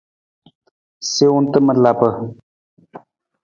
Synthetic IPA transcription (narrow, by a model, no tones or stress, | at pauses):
seunt̪əmət̪laːpə